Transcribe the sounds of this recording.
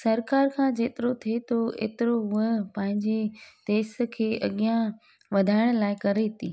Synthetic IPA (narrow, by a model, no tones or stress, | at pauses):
sɐɾkaːɾkʰãːd͡ʑeːt̪ɪɾot̪ʰiet̪oʔḛːt̪ɪɾoɦʊəpɐ̃ɦɪ̃ɲd͡ʑet̪eːs̆kʰeːʔɐ̰ɠijã | ʋɐd̪ʱaːɪɽ̃laːɪkɐɾet̪iː